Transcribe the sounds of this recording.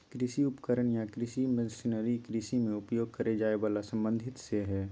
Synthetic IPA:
kɾɪsiʊpkəɾəɳjakɾɪsiməd̪ɪsɪnəɾikɾisimẽʊpjoːɡ̚kɐɾed͡ʒaːeʋaːlasɐ̃mbə̃nd̪ʱɪt̪seɦɛː

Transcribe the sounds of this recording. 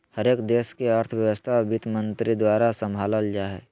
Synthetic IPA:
həɾeːkd̪eːskeəɾt̪ʰəʋjəwəst̪ʰabʱɪt̪mə̃nt̪ɾid̪waːɾasə̃mbʱaːləld͡ʒaːɦɛ

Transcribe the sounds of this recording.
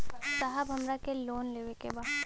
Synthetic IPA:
saɦəbʱɐmɾakeloːnleːʋekebaː

